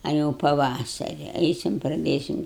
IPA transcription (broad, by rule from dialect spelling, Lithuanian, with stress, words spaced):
ɐ jɛʊ pɐˈʋɑːsɐrʲɪ ˈɛɪsʲɪm prɐˈdʲeːsʲɪm